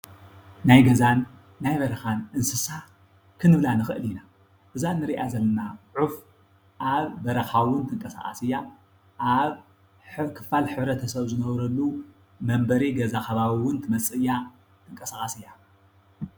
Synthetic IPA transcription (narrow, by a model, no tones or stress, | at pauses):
najɡɐzanː | ajbɐɾɐxanʔɨnsɨsa | kʰɨnɨβlanɨxɨ̰ʔɨlina | ʔɨzanːɨɾiʔazɐlnaʕuf | ʔaβːɐɾɐxawʊnt̪ʰɨŋkʼɐsa̰χʼa̰sɨjːa | ʔaβ | kʰɨ̥falħɨβɾɐt̪ʰɐsɐβzɨnɐβɾɐlːu | mɐmbɐɾiɡɐzaxɐβaβiwʊnt̪ʰɨmɐsʼɨjːa | t̪ʰɨŋkʼɐsaχʼasɨjːa